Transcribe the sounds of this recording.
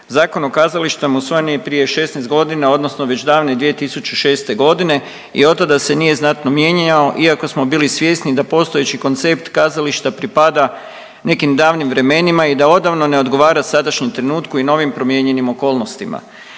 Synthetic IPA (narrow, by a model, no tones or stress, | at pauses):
zaːko̞nokaːzaliʃt̪amusʋo̞jenijepɾije̞ʃe̞snest̪ɡo̞d̪inao̞d̪nosno̞ʋe̞t͡ʃd̪aːʋned̪ʋije̞t̪isut͡ʃuʃe̞ːst̪e̞ɡo̞d̪ine̞ | ḭo̞t̪ːad̪ase̞nije̞znat̪nomje̞ɲao̞ʔiako̞smo̞biːlisʋje̞snid̪apo̞ːst̪o̞je̞t͡ɕiko̞nt̪se̞pt̪kaːzaliʃt̪apɾipad̪a | ne̞kimd̪aːʋnimʋɾe̞me̞nimaid̪ao̞d̪aʋno̞ne̞o̞d̪ɡo̞ʋaːɾasad̪aʃɲemt̪ɾe̞nuːt̪kuino̞ʋimpɾo̞mje̞ɲe̞nimo̞ko̞ːlˠno̞st̪ima̰